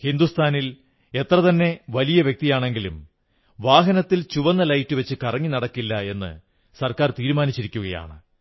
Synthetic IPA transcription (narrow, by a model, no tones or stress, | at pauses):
hind̪ust̪ʰaːnil | e̞t̪rɐt̪ɐnːe̞ʋɐlijɐʋjek̚t̪ijaːɳe̞ŋɡilum | ʋaːɦɐnɐt̪ːilt͡ɕuʋɐnːɐlɐjtːɨʋɐt͡ɕːɨkɐrɐŋːinɐɽɐkːilːɐe̞nːɨ̰ | sɐrkaːrt̪iːɾumaːnit͡ɕːiɾikʲːuɣɐja̰ːɳɨ